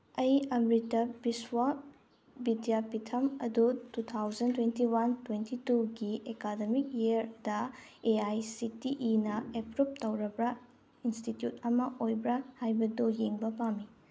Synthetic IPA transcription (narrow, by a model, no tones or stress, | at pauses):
ɐjɐmɾitɐbiswa | bidijapitʰɐmɐdutut̪ʰawzɐntwentiwantwentʰituɡiekademik̚jiɐɾdɐ | eajsitiʔinɐepɾup̚tɐwɾɐbɾɐ | institjut̚ɐmɐʔojbɾɐhajbɐdujeŋbɐpamːi